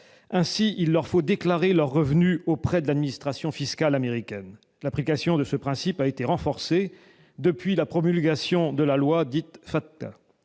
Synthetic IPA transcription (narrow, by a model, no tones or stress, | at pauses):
ɛ̃siʔilːœʁfod̪eklaʁelœʁːəvnyopχɛd̪əlad̪minist̪χasjɔ̃fiskalameʁikʲɛn | laplikasjɔ̃d̪əsəpχɛ̃sipaet̪eʁɑ̃fɔʁse | d̪əpɥilapχɔmylɡʲasjɔ̃d̪əlalwad̪it̪fat̪ːa̰